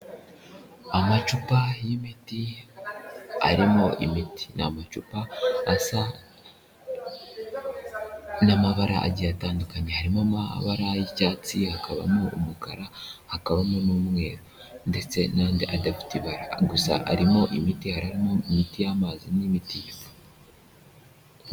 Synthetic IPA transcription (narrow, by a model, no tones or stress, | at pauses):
amat͡ʃupajimiti | a̰ɾimo̞ʔimiti̥namat͡ʃupasa | namaβaɾa̰ʔa̰ɟijataːndukaɲehaɾimamaβaɾajicaːt͡sihakaβa̰moːmukaɾahakaβamonuːmŋe̞ːɾo | nde̞t͡se̞naːndiʔadafi̥tiβaɾaɡusa̰ʔa̰ɾimo̞ʔimitihaɾaɾimoimitijaːmazinimitibo̥